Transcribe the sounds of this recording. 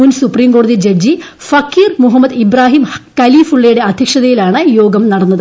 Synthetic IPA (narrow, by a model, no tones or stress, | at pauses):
unsupriːmɡo̞ːɽɐðid͡ʑed͡ʑi | fɐkːiːrmuɦɐmːɐd̪ibɾaːɦiːmkɐliːfuɭːɐjuɽe̞ɐd̪ʱjɐkʂɐðɐjilaːɳɨjo̞ːɡɐmnɐɽɐnːɐðɨ